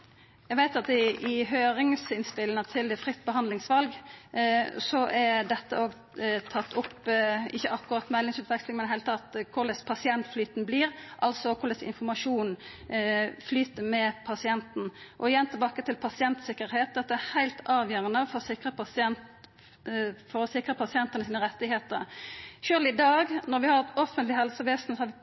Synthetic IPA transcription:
jæɡʋæɪt̪ɑt̪ɪɪɦøːʁɪŋsɪnspɪlŋət̪ʰɪld̪ɛfʁɪt̪ːbəɦɑnd̪lɪŋsʋɑlɡ | sɔʔɛd̪ɛt̪ːəoːɡ | t̪ʰɑt̪ːʊpːɪçːəʔɑkːʊʁɑt̪ːmɛlːɪŋsʉːt̪ʋɛkslɪŋmɛɛheɪlət̪ʰɑt̪kʰʊʁlɛspʰɑsɪɛnt̪flyːt̪nbliːɾʔɑlsɔkʰʊʁlɛsɪ̰nfɔmɑʂuːn | flyːt̪əmɛpʰɑsɪɛnt̪n̩ʔɔɪjɛnt̪ʰɪlbɑːkət̪ʰɪlpʰɑsɪɛnt̪sɪkːəɾheːt̪̚d̪ɛt̪ːəæhæɪlt̪ɑːʋjøːɾənəfɔɾsɪkʁə | fɔɾɔsɪkʁəpʰɑsɪɛnt̪ənəsiːnəɾʁɛt̪ːɪɦeːt̪ə̰ɾʃøːlɪd̪ɑːɡnɔɾʋɪhɑɾʁt̪ɔfənt̪lɪɦɛlsəʋeːsn̩sɔhɑɾʋɪ

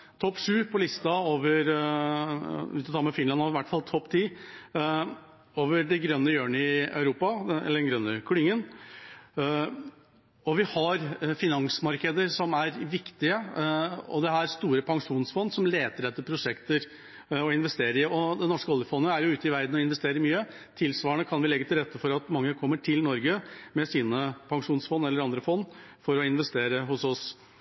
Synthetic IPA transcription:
t̪ʰɔpːʂʉːpʰɔlɪst̪ɑoːʋəɾ | ʉ̰ːt̪ɔt̪ʰɑːmɛfɪnɑnhɑʋæʈːfɑlt̪ʰɔpːt̪ʰiː | oːʋəɾɖɛɡɾœnːəjøːɳɪœʉɾuːpɑɛ̰lːəɖɛnɡɾœnːəkʰlɪŋːən | ɔʋɪhɑɾfɪnɑŋsmɑɾkəd̪əɾʂɔmæɾʋɪkt̪ɪə | ɔ̰d̪ɛɦæɾst̪uːɾəpʰɑŋʂuːnsfɔnd̪sɔmleːt̪əɾɛt̪ːəpʰɾʊʂɛkt̪əɾ | ɔɪnʋɛst̪eːɾəɪɔd̪ɛnɔʂkəɔlːɪəfɔnːəəæɾjʊʉːt̪əɪʋæɾd̪n̩ɔɪn̪ʋɛst̪eːɾəɾmyːə | t̪ʰɪlsʋɑːəɳəkʰɑnʋɪlɛɡːət̪ʰɪlɾɛt̪ʰːəfɔɾɑt̪mɑŋːəkʰɔmːəʈʰɪlnɔɾɡəmɛsiːnəpʰɑŋʂuːnsfɔnːɛlːəɾɑnd̪ɾəfɔnːfɔɾɔɪnʋɛst̪eːɾəɦʊsɔs

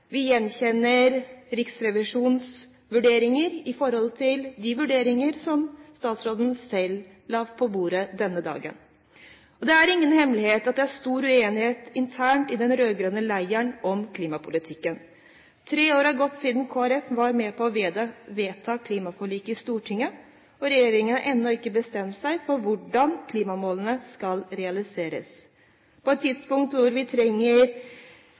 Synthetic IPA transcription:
ʋɪjɛnçɛnːəɾɾɪksɾɛʋɪʂuːns | ʋʉɖeːɾɪŋəɾɪfɔɾhɔlt̪ʰɪld̪ɪʋʉɖeːɾɪŋəɾsɔmst̪ɑːt̪sɾoːd̪n̩sɛl | lɑːʋpʰɔbuːɾəd̪ɛnːəd̪ɑ̰ːɡə̰n | ɔd̪ɛæɾɪŋːənhɛmlɪheːt̪ɑt̪̚d̪ɛæʂt̪uːɾʉeːnɪheːt̪ɪnt̪ʰæːɳʈɪd̪ɛnɾøːɡɾønəlæɪəɳʔɔmkʰliːmɑpʰʊlɪt̪ʰɪkːən | t̪ʰɾeːoːɾɑɡɔt̪ːsiːd̪nkʰoːæɾɛfʋɑɾmɛpʰɔɔʋeːt̪ʰɑːkʰliːmɑfɔɭiːkɪst̪uːʈʰɪŋːə | ɔɾɛjeːɾɪŋənəʔɛnːɔɪkːəbəst̪ɛmt̪sæɪfɔɾʋʊɖɑnkʰliːmɑmoːlənəskɑlɾɛɑlɪseːɾə̰s | pʰɔɛt̪ʰːɪd̪spʊŋkt̪ʋʊɾʋɪt̪ʰɾɛŋːəɾ

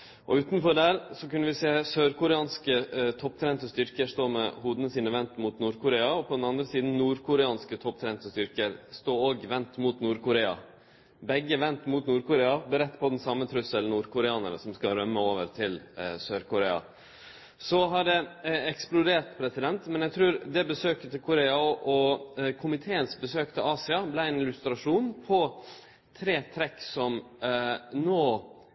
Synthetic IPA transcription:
ʔɔʉːt̪nfɔɖæɾsɔkʉnːəʋɪseːsøːɾkʊɾɛɑːnskət̪ʰɔpt̪ʰɾɛnt̪əst̪ʏɾkəʂt̪oːmɛhuːd̪ənəsiːnəʋɛnt̪mʊt̪nuːɾkʰʊɾeːɑɔpʰɔd̪ɛnɑnd̪ɾəsiːd̪n̩nuːɾkʰʊɾɛɑːnskət̪ʰɔp̚t̪ʰɾɛnt̪əst̪ʏɾkəɾst̪oːoːɡʋɛnt̪mut̪nuːɾkʊɾeːɑ̰ | bɛɡːəʋɛnt̪mut̪nuːɾkʊɾeːɑbəɾɛt̪ːpʰɔd̪ɛnsɑmːət̪ʰɾʉsəlnuːɾkʰʊɾɛɑːnəɾəsɔmskɑɾœmːəoːʋəɾt̪ʰɪlsøːɾkʊɾeːɑ̰ | sɔɦɑɖɛɛksplʊd̪eːʈ̪pʰɾɛsɪd̪ɛnt̪mɛnjæt̪ʰɾʉːɾd̪ɛbəsøːkət̪ʰɪkʰʊɾeːɑɔʔɔkʰʊmɪt̪ʰeːənsbəsøːkt̪ʰɪlɑːsɪɑblæɪɛnɪlʉst̪ɾɑʂuːnpʰɔ | t̪ʰɾeːt̪ʰɾɛksɔm | noː

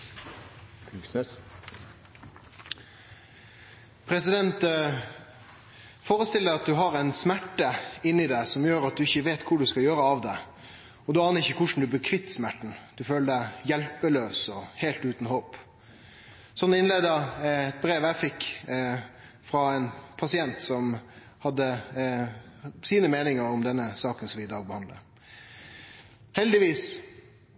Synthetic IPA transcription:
ks | pʰɾɛsɪd̪ɛnt̪ | foːɾəst̪ɪld̪æɑt̪̚d̪ʉɦɑɾɛɪnsmæʈːəɪnːɪd̪æɪsɔmjøːɾɑt̪̚d̪ʉɪçːəʋeːt̪kʰʊɖʉskɑljøːɾəɑʋd̪ɛ | ɔd̪ʉɑːnəɾɪçːəkʰʊʂn̩d̪ʉbəkʰʋɪt̪ːsmæʈːɳ̩d̪̥ʉføːləɖ̪æɪjɛlpəløːsɔheːlt̪ʉːt̪n̩hoːp | sɔnːɪnleːd̪əɛt̪̚bɾeːʋæɪfɪkː | fɾɑɛnpʰɑsɪɛnt̪sɔm | hɑd̪ːə | siːnəmeːnɪŋəɾɔmd̪ɛnːəsɑːkənsɔmɪɪd̪ɑːɡ̚bəhɑnd̪lə̰ɾ | hɛld̪ɪʋiːs

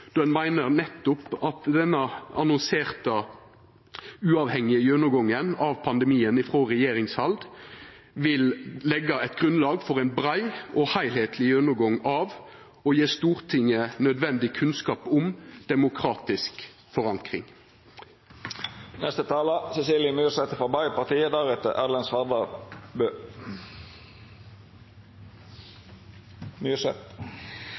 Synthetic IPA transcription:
d̪̥ʉɛnmæɪnəʁnɛt̪ːʊpɑt̪d̪ɛnːəɑnʊnseːʁt̪ə | ʉːɑːʋhɛŋːɪəjønʊɡɔŋːənɑʋpʰɑnd̪ɛmiːənɪfʁoːʁɛjeːɾɪŋshɑld̪ | ʋɪllɛɡɑɛɪt̪ɡʁʉnlɑːɡfɔʁæɪnbɾæɪɔhæɪlheːt̪ʰlɪjønʊɡɔŋɑːʋ | ɔjeːst̪uːʁt̪ʰɪŋːənœd̪ʋɛnd̪ɪkʰʉnskɑːpʊmd̪̥ɛmʊkʰʁɑːt̪ɪsk | fɔʁɑŋkʁɪ̰ŋ | nɛst̪ət̪ʰɑːləsɛsiːljəmyːsɛt̪əfɔbɑɪpɑʁt̪iːəd̪ɑʁɛt̪ə̰ʔælɛnsʋɑʁd̪ɑbøː | mysɛt̪

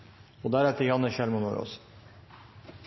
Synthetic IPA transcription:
od̪æɾɛt̪əɾjɑnːəʃɛlmono̰ɾo̰s

